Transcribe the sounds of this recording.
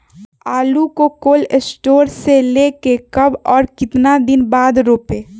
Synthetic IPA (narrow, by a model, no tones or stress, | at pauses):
aːlukokoːlesʈoːɾseleːkekɐbɔːɾkɪt̪nad̪ɪnbaːd̪ɾoːpeː